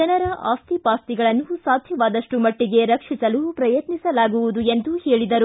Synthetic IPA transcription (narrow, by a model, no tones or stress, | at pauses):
d͡ʒɐnɐɾɐʔaːst̪ipaːst̪iɡɐɭɐnːusaːd̪ʱjɐʋaːd̪ɐʂʈumɐʈːiɡe̞ɾɐkʂisɐlupɾɐjɐt̪nisɐlaːɡuʋud̪ue̞nd̪uheːɭid̪ɐɾu